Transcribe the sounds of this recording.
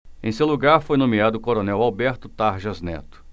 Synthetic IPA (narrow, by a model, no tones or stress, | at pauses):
ẽsewluɡaɾfojnõmiad̪ʊːkoɾonɛwawbɛɾt̪ʊt̪aɾʒɐznɛ̰t̪ʊ̥